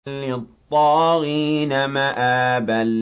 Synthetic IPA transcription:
lːɪt̪ˤːɑːɾiːnamaʔaːbal

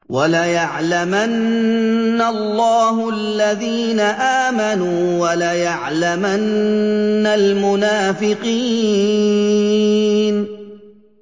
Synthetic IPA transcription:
walajaʕlamanː | alˤːɑːɦʊalːaðiːnaʔaːmanuːwalajaʕlamanː | almʊnaːfɪqiː | n

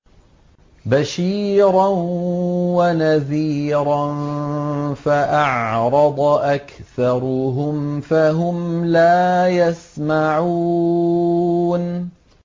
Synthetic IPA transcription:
baʃiːɾˤan | wanaðiːɾˤan | faʔɑʕɾˤɑd̪ˤʔakθɑɾˤʊɦʊmfaɦʊmlaːjasmaʕuː | n

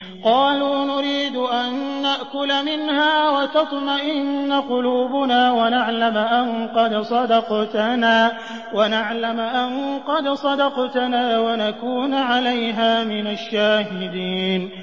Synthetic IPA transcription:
qɑːluːnʊɾiːd̪ʊʔanːaʔkʊlamɪnhaːwat̪ɑt̪ˤmaʔɪnːaqʊluːbʊnaːwanaʕlamʔaŋqɑd̪sˤɑd̪ɑqt̪naː | wanaʕlamʔanqɑd̪sˤɑd̪ɑqt̪anaːwanakuːnʕalajɦaːmɪnaʃːaːhɪd̪iːn

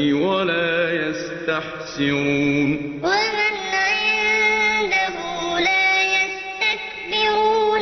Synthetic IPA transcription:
walaːjas | t̪aħsɪɾuːn | wamɪnːaʔɪnd̪aɦuːlaːjast̪ak̚ | bɪɾuːn

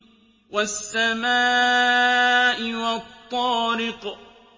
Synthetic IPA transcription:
wasːamaː | ʔɪwat̪ˤːɔːɾɪq

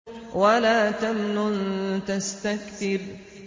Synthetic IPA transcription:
walaːt̪amnʊnt̪ast̪akt̪ɪb

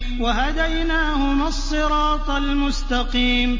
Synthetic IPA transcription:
waɦad̪ajnaːhʊmasˤːɨɾɑːt̪ˤalmʊst̪ɑqiːm

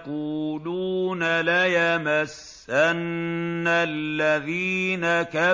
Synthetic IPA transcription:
quːluːnalajamasː | anːalːaðiːnaka

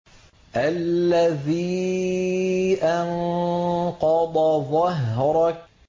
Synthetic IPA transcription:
ʔalːaðiː | ʔan | qɑd̪ˤɑðˤɑɦɾˤɑ

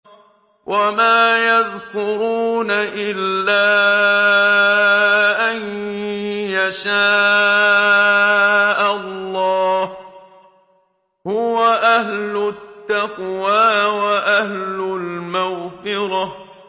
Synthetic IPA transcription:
wʔamaːjaðkʊɾuːnaʔɪlːaː | ʔan | jaʃaː | ʔalːɑːh | hʊwaʔahlʊt̪ːaqwaːwaʔahlʊlmaɣfɪɾɑ

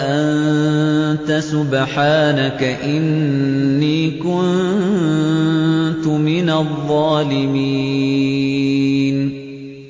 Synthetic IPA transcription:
ʔan | t̪asʊbħaːnakaʔɪnnːiːkʊnnn | t̪ʊmɪnaðˤːɑːlɪmi | n

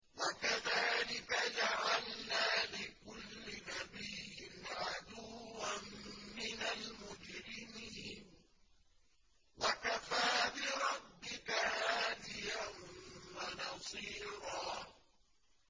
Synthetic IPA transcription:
wakaðaːlɪkad͡ʒaʕalnaːlɪkʊlːɪnabijːɪnʕad̪uːamːɪnalmʊd͡ʒɾɪmiːn | wakafaːbɪɾˤɑbːɪkahaːd̪ɪjanwanɑsˤiːɾɑː

